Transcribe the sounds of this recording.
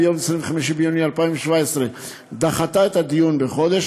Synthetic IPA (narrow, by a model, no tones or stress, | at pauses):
jomesʁĩveχamiʃimbejunialpaĩveʃvaesʁe | d̪aχat̪aet̪ad̪ijunbeχo̞d̪eʃ